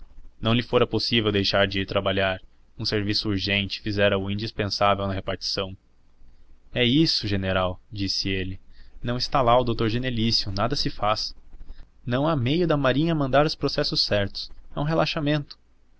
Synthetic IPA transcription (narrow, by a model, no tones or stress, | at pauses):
nɐ̃w̃lɪfoɾɐposivewd̪ejʃaɾd͡ʒɪiɾt̪ɾabalaɾ | ũseɾvisʊuɾʒẽnt͡ʃɪ̥fizɛɾɐʊĩnd͡ʒispẽsavewnɐɦepaɾt͡ʃi̥sɐ̃w̃ | ɛisʊʒeneɾawd͡ʒisɪelɪnɐ̃w̃ɪst̪alaʊd̪owt̪oɾʒenelisjʊnad̪ɐsɪfas | nɐ̃w̃amejʊd̪ɐmaɾĩɲɐmɐ̃nd̪aɾʊspɾosɛsʊsːɛɾt̪ʊ̥sɛũɦelaʃamẽnt̪ʊ̥